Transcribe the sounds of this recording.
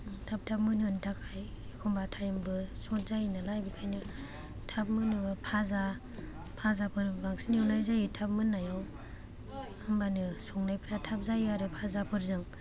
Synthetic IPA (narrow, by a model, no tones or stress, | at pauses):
tʰap̚tʰap̚mɯnɯntʰakʰaj | kʰɔmbatʰajmbɯsɔt̚zajinɯlajbikʰajnɯ | tʰap̚mɯnɯbpʰaza | pʰazapʰɯɾbaŋsiniwnajzajitʰap̚mɯnːajaw | ɯmbanɯsɔŋnajpʰɾatʰap̚zajaɾɯpʰazapʰɯɾzɯŋ